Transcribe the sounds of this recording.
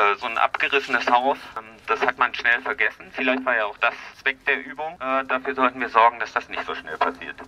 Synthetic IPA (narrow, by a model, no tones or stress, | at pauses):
ʔɛːzoːnʔa̰pɡ̥əʁɪsənəshaʊsmd̥ashatmanʃnɛlfɛɐɡɛsn̩fɪlaɪçtv̥aːɐjaːaʊxd̥ast͡sv̥ɛk̚d̥eːɐʔyːbʊŋʔɛːdafyːɐzɔltn̩viːɐzɔɐɡŋ̩d̥asd̥asnɪçtz̥oːʃnɛ̰lpʰasḭːɐt